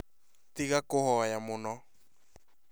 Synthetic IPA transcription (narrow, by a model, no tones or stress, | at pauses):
tiɣakohɔjamonɔ